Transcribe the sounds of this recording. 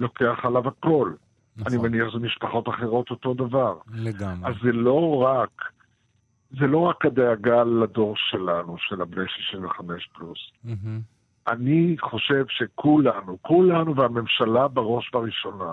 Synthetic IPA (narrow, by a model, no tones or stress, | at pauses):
lo̞ke̞aχalavako̞l | animeniaχzemiʃpaχo̞t̪aχe̞ʁo̞t̪o̞to̞d̪avaʁeazzelo̞ʁak | zelo̞ʁakhad̪eaɡalado̞ʁʃe̞lanuʃelabnejʃiʃinveχame̞ʃplus | ʔaniχo̞ʃe̞vʃe̞kʰulanukulanuveame̞mʃalabeʁo̞ʃbaʁiʃo̞na